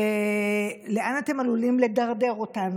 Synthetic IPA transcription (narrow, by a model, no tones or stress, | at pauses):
e | le̞ʔanate̞malulimle̞daʁde̞ʁo̞tan